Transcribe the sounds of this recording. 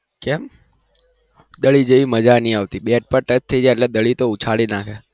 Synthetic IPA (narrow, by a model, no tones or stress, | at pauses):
kɛm | d̪əɭid͡ʒəiməd͡ʒaniaʋt̪iɓeʈ̚pəɾʈət͡ʃt̪ʰəid͡ʒajəʈlɛd̪əɭit̪out͡ʃʰaɭinakʰe